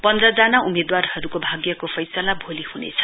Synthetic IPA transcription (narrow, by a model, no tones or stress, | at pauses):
pʌnd̪rʌd͡zanaumed̪warhʌɾukobʱaɡjʌkopʰʌjsʌlabʱolihunḛt͡sʰʌ̥